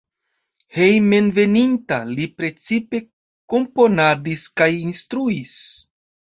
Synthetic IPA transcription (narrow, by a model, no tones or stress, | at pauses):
he̞jme̞nve̞nintalipɾe̞t͡sipe̞ | ko̞mpo̞nadiskajinstɾuis